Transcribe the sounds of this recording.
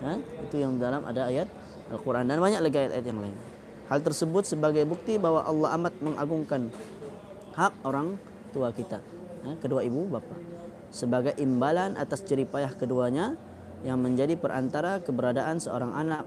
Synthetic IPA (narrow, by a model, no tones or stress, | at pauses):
jait̪ujaŋdalamʔa̰daːjat̪̚ | a̰lkuɾʔandanbaɲak̚laɡiajat̪ajat̪̚jaŋlaɪn | halt̪ərsəbʊt̪̚səbaɡajbuk̚t̪ibawaʔɑlːɑɦamat̪̚məŋʔaɡuŋkan | hak̚oɾaŋ | t̪uakit̪a | jakəduaibubapa | səbaɡajʔimbalanʔa̰t̪ast͡ʃəɾipajahkəduaɲa | jaŋməɲd͡ʒadipəɾʔa̰nt̪aɾakəbəɾadaʔansəo̰ɾaŋʔanak̚